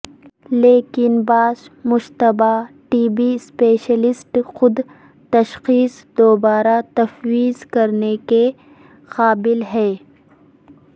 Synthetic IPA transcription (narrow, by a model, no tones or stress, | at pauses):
leːkɪnbaːsmʊʃt̪ɐbaːʈiːbispeːʃəlɪsʈxʊd̪ | t̪ɐʃxiːsd̪oːbaːɾat̪ɐfwiːzkɐɾneke | qaːbɪlɦɛː